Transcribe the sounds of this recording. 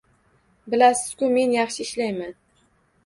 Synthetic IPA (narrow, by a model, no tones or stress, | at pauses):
bɪlasɪz̥kʰʲʊme̞njɑχʃɪɪʃlajman